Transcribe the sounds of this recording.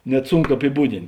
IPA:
ˈnʲɛt ɐpʲɪˈbuːdʲɪnt

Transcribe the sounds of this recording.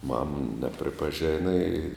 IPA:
mɐm nʲɛpʲrʲɪpɐˈʒʲæːnɐ ɪ

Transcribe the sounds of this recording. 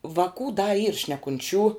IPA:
ʋɐˈkuː dɐ iːr ʃʲnʲɛkʊnʲˈt͡ʃʲuː

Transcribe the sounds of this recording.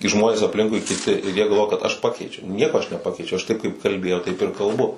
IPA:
kɐɪ ˈʒmoːnʲeːs ɐpʲˈlʲɪŋkʊɪ kʲɪˈtʲɪ ɪr ˈjiɛ ɡɐlˠˈʋoːjɛ kɐt ɐʃ ˈpɑːkʲɛɪt͡ʃʲɛʊ ˈnʲiɛkoː ɐʃ nʲɛˈpɑːkʲɛɪt͡ʃʲɛʊ ɐʃ ˈtɐɪp kɐɪp kɐlʲˈbʲeːjɛʊ ˈtɐɪp ɪr kɐlˠˈbʊ

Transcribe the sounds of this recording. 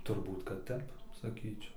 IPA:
tʊrˈbuːt kɐt ˈtʲɛp sɐˈkʲiːt͡ʃʲɛʊ

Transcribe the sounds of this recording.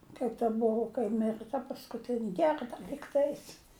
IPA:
kɐɪp tɐ ˈbʊʋʊ kɐɪ ˈmʲɪrɨ tɐ pɐskʊˈtʲɪnʲɪ ˈɡʲɛrdɐ lʲiːkˈtɐɪs

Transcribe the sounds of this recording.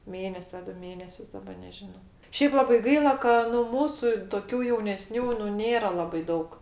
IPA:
ˈmʲeːnʲɛsʲɪ ɐ ˈdʊ ˈmʲeːnʲɛsʲʊs dɐˈbɐ nʲɛʒʲɪˈnoː ˈʃʲɛɪp ˈlˠɑːbɐɪ ˈɡɐɪlˠɐ kɐ nʊ ˈmuːsʊ toːˈkʲuː jɛʊnʲɛˈsʲnʲuː nʊ ˈnʲeːrɐ ˈlˠɑːbɐɪ ˈdɐʊk

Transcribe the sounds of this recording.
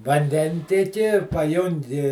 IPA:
ʋɐnʲˈdʲɛnʲtʲiɛkʲɪ pɐˈjʊŋʲɡʲɪ

